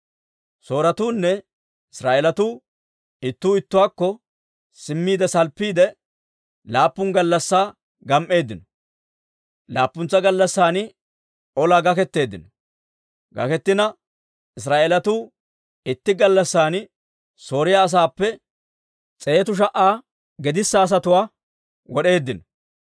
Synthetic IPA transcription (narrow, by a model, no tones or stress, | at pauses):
so̞ːɾɐt̪uːnːɛ | ɪsɾaːʔeɛlɐt̪uː | ɪt̪ːuːɪt̪ːʊwaːkːɔ | sɪmːiːd̪ɛsɐlpːiːd̪ɛ | laːpːʊŋɡɐlːɐsːaː | ɡɐmʔe̞ːd̪ːɪnɔ | laːpːʊnt͡sːɐɡɐlːɐsːaːnɪ | ʔɔlaːɡɐkɛt̪ːe̞ːd̪ːɪnɔ | ɡɐ̰kɛt̪ːɪnɐ | ʔɪs̬ɾaːʔelɐt̪uː | ɪt̪ːɪɡɐlːɐsːaːn | so̞ːɾɪjaːs̬aːpːɛ | t͡sʼeːt̪ʊʃ̬ɐʔaː | ɡɛd̪ɪsːaːs̬ɐt̪ʊwaː | wɔɗe̞ːd̪ːɪnɔ